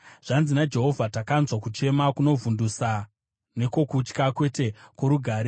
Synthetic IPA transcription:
ʐ̥anzinad͡ʒe̞ɦo̞vʱatakanzwakut͡ʃe̞makuno̞vundusa | ne̞ko̞kut͡ʃkakwe̞te̞koɾuɡʱaːɾe

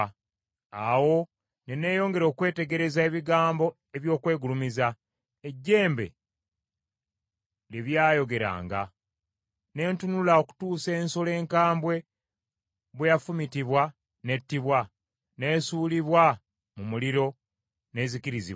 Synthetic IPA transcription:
awo̞ | nene̞ːjo̞ːŋɡe̞ɾo̞ːkwe̞ːte̞ɡe̞ɾe̞zae̞βiɡaːmbo̞ | e̞βjo̞ːkwe̞ːɡulumiza | eɟːe̞ːmbe̞̰ | liβjaːjo̞ɡe̞ɾa̰ːŋɡa̰ | ne̞ːntunulao̞ku̥tuːse̞ːnso̞le̞ːŋkaːmbwe̞ | βwejafumitiβwa | ne̞tːiβwa | ne̞ːsuːliβwa | mumuliɾo̞ | ne̞ːziciɾizḭβ

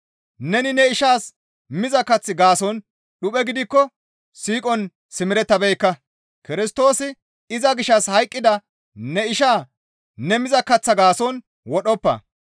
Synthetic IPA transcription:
nɛnɪnɛɪʃaːs | mɪzɐkɐt͡sːɪɡaːsɔn | ɗʊpʼɛɡɪd̪ɪkːɔ | siːkʼɔn | sɪmɪɾɛt̪ːɐbɛjkːɐ | kɪɾɪst̪o̞ːsɪ | ɪzɐɡɪʃːɐshɐjkʼːɪd̪ɐ | nɛɪʃaː | nɛmɪzɐkːɐt͡sːɐɡaːsɔn | wɔɗɔpːɐ̰

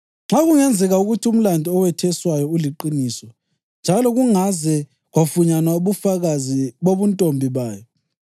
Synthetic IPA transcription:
ŋ͡ǁaɣuŋɛnd͡zʱɛɣauɣutʰium̩landʱiɔwɛtʰɛswajɔuliǃiniːsɔ | nd͡ʒʱalɔɣuŋazɛ | ɣwafuɲanwaoβufaɣaziβoβuntʼombʱiβaːjɔ

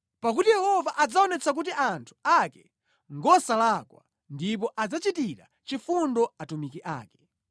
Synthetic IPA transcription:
pak̬utijɛhɔvaʔad͡zaɔnɛt͡sʰak̬utiʔantʰu̥akɛ | ŋɡɔsalakwa̰ | ndip̬ɔʔad͡zat͡ʃitiɾa̰ | t͡ʃifundɔatumikiʔa̰ːkɛ̥

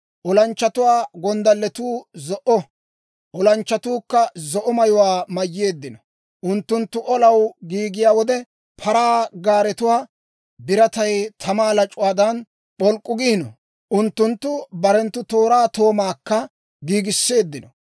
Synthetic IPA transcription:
ʔɔlɐnt͡ʃːɐt̪ʊwaːɡɔnd̪ɐlːɛt̪uːzɔʔɔ | ʔɔlɐnt͡ʃːɐt̪uːkːɐzɔʔɔmɐjʊwaːmɐjːe̞ːd̪ːɪnɔ | ʔʊnt̪ːʊnt̪ːʊʔɔlɐwɡiːɡɪjaːwɔd̪ɛ | pʰɐɾaːɡaːɾɛt̪ʊwaː | bɪɾɐt̪ɐjt̪ʰɐmaːlɐt͡ʃʼʊwaːd̪ɐn | pɔlkʼːʊɡiːnɔ | ʔʊnt̪ːʊnt̪ːʊbɐɾɛnt̪ːʊt̪o̞ːɾaːt̪o̞ːmaːkːɐ | ɡiːɡɪsːe̞ːd̪ːɪnɔ

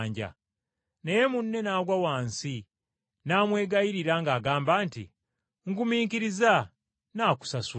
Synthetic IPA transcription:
ɲɟa̰ | neje̞munːe̞naːɡwawaːnsi | naːmwe̞ːɡaiɾiɾaŋɡaːɡaːmbaːntḭ | ŋ̩kumiːŋkiɾiza | naːku̥sasu

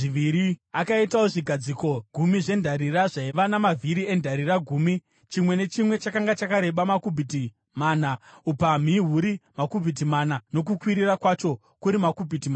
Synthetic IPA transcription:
ʐiʋiɾiakaitaoʐiɡʱad͡ziko̞ɡʱumiʐe̞ndʱaɾiraʐaiʋanamavʱiɾie̞ndʱaɾiraɡʱuːmi | t͡ʃimwe̞ne̞t͡ʃimwe̞t͡ʃakaŋɡat͡ʃakaɾe̞ɓamakubʱiti | maːnaupam̤iɦuɾimakubʱit̬imanano̞k̬ukwiɾirakwat͡ʃo̞ | kuɾimakubʱitimaːna

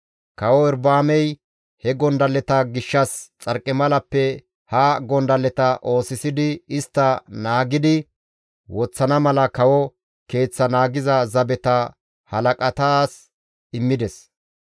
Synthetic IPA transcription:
kɐwɔɪɾbaːmɛj | hɛɡɔnd̪ɐlːɛt̪ɐɡɪʃːɐst͡sʼɐɾkʼːɛmɐlɐpːɛ | haɡɔnd̪ɐlɛt̪ɐʔo̞ːsɪsɪd̪ɪɪst̪ːɐnaːɡɪd̪ɪ | wɔt͡sːɐnɐmɐlɐkɐwɔ | ke̞ːt͡sːɐnaːɡɪzɐzɐbɛt̪ɐ | hɐlɐkʼɐt̪aːs | ɪmːɪd̪ɛs

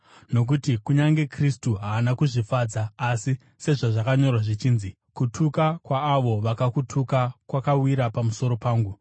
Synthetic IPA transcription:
no̞k̬utikuɲaŋɡe̞kristuɦaːnakuʐifad͡zaːsi | se̞ʐaʐakaɲo̞rwaʐit͡ʃiːnzi | kutʰukakwaːʋo̞ʋakakutʰukakwakawiɾapamuso̞ɾo̞paːŋɡu

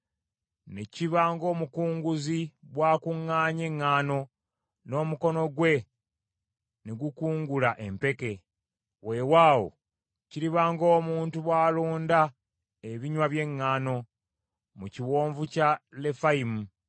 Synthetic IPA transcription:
ne̞ciβaːŋɡo̞ːmukuːŋɡuzibwaːkuŋːaːɲe̞ŋːaːno̞ | no̞ːmuko̞no̞ɡwe̞ | neɡukuːŋɡulaʔe̞mpe̞ke̞ | we̞waːwo̞̰ | ciɾiβaːŋɡo̞ːmuːntuβwaːluːnda | e̞βiɲwaβje̞ŋːaːno̞ | muciwoːɱvucale̞faimu

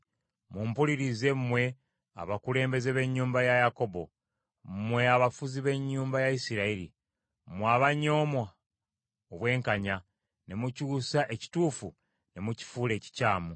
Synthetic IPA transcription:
mumpuliɾize̞mmwe̞ | a̰βakule̞ːmbe̞ze̞βe̞ɲːuːmbajajako̞bo̞̰ | mmwe̞aβafuziβe̞ɲːuːmbajaisiɾaiɾḭ | mwaːβaɲo̞ːmwa | oβwe̞ːŋkaɲa | ne̞mucuːsaʔe̞ci̥tuːfu | ne̞muci̥fuːle̞ːci̥caːmu

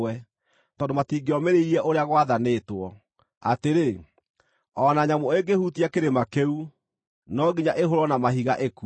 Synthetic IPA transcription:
ɛ | tɔːndomatiːɡeɔmeɾeiɛʔoɾeaɣwaðanetwɔ | a̰teɾe | ɔːnaɲamoeɡehutiakeɾemakeu | nɔɡiɲaʔeɦoɾɔnamaɦiɣaʔeku

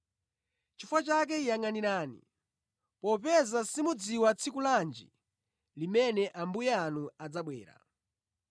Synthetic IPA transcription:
t͡ʃifwat͡ʃak̬ɛijaŋaniɾaːnḭ | pɔpɛzasimud͡ziwat͡sʰikuland͡ʒḭ | limɛnɛʔambujɛanuad͡zaɓwɛːɾa̰

